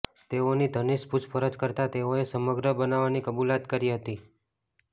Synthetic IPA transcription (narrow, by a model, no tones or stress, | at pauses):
t̪eonid̪ʱəniʃput͡ʃpəɾəd͡ʒkəɾt̪at̪eoesəməɡɾəbənaʋanikəbulat̪kəɾiɦət̪i